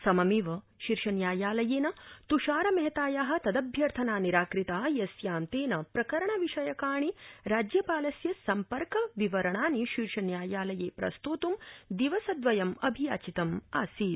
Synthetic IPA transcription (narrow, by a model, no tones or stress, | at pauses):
sɐmɐmiʋɐ | ʃiɾʂɐnjaːjaːlɐjeːnɐt̪uʃaːɾɐmɐɦɐt̪aːjaːɦɐ̆t̪ɐd̪ɐbʱjɐɾt̪ʰɐnaːniɾaːkɾit̪aːjɐsjaːnt̪eːnɐpɾɐkɐɾɐɳɐʋiʂɐjɐkaːɳiɾaːd͡ʒjɐpaːlɐsjɐsɐmpɐɾkɐʋiʋɐɾɐɳaːniʃiɾʂɐnjaːjaːlɐjeːpɾɐ̰st̪uːt̪umd̪iʋɐsɐd̪ʋɐjɐmɐbʱija̰ːt͡ʃit̪ɐmaːsiːt̪̚